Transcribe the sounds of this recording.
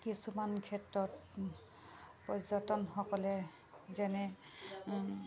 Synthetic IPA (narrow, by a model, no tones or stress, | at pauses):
kisumankʰɛtɹɔt | pɔzɔtɔnxɔkɔlɛ | zɛnɛ